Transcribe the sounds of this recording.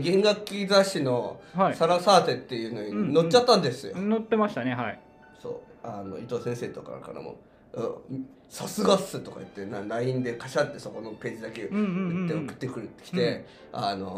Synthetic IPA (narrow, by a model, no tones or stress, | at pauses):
ɡẽ̞ŋɡakʲːizaɕino̞haisaɾasaːt̪e̞t̪ːe̞jɯ̟ːno̞ɲ̟ino̞t͡ɕt͡ɕːat̪ːãnd̪e̞sɨjo̞not̪ːemaɕi̥t̪aneɦai | so̞̰ːano̞̰it̪oːsẽ̞ɰ̃seːt̪oka̰ɾ̰ka̰ɾa̰mo̰ | o̰m | sasɨɡasɨt̪o̞ka̰ɯt̪ːe̞naɾaĩnd̪e̞kaɕat̪ːe̞so̞ko̞no̞pe̞ːd͡ʑid̪aket̪ːeokɯ̟̥t̪ːe̞kɯ̟ɾɯ̟t̪ːe̥kʲi̥t̪e̞ | ano̞̰